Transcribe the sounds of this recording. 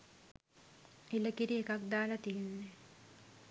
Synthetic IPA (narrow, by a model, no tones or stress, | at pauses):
eləkiɾiekak̚d̪aːlat̪ijenːe